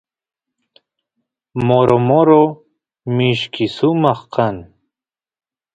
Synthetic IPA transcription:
moɾomoɾo | miʃkisumaχqan

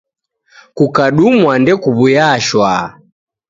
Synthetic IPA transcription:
kukaɗumwandɛkuβujaʃwa

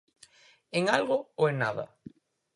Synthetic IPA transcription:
eŋalɣooeŋnaða̰

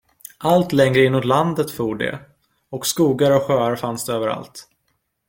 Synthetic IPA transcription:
ʔalt̪lɛŋɾəɪnːut̪land̪ət̪fuːɖɛ̰ | ɔkskuːɡaɾɔkɧøːaɾfansd̪ɛøːvəɾa̰lt̪

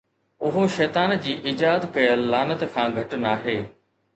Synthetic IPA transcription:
ʊɦoʃɛːt̪aːnd͡ʑiːʔiːd͡ʑaːd̪kɐjəlːaːnət̪kʰãːɡʱɐʈnaːɦeː

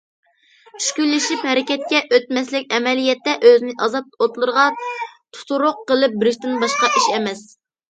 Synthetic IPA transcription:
t͡ʃʰy̥ʃkʲylːɪʃiphɛɾɪkʲɛt̪̚kʲɛʔøt̪mɛslɪkʲɛmɛlijɛt̪ːɛʔøzɪnɪʔɑzɑt̪ot̪lˠɨɾəʁɑt̪ʰu̥t̪uɾʊqːəlˠɨp̚bɪɾɪʃt̪ɪnbɑʃqɑʔiʃɛmɛs

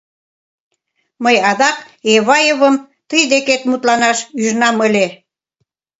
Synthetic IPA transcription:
məjɑðɑk | eβɑjeβəm | t̪əjd̪eket̪mut̪lɑnɑʃyʒnɑmə̆lʲe

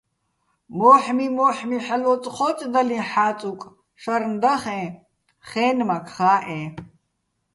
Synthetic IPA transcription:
mɔːħmimɔːħmiħalɔt͡sʼχɔːt͡sʼd̪alĩħaːt͡sʼukʼ | ʃaɾnd̪aχɛ̃ː | χɛːnmakʰχaːʔɛ̃

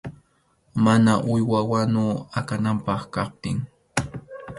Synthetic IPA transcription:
manaʔʊjwawanʊakanampɑχkɑp̚t̪ɪŋ

